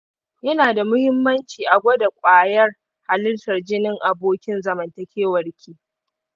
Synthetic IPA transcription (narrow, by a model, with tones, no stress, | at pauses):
jɐ˦naː˨da˨mʊ˦hɪ˦mːɐ˦nt͡ʃiː˨ʔa˨ɡʷɐ˦da˨kʷʼaː˨jɐ˦r | ha˨lɪ˦rtɐ˨rd͡ʒɪ˦nɪ˦ŋʔa˨boː˦kʲɪ˦nzɐ˨mɐ˨ntɐ˨kʲeː˦wɐ˨rkʲʰiː˦